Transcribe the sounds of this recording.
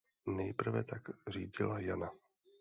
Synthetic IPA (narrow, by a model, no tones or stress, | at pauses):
nɛjpr̩vɛ̰t̪aɡr̝iːɟɪlajana